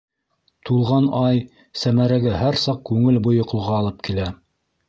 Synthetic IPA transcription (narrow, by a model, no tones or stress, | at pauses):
t̪ulˠʁɑnɑj | sæmæɾæɡɘɦæɾsɑq̚kʉŋɘlbŏjŏqŏlˠʁɑːlˠɤp̚kilæ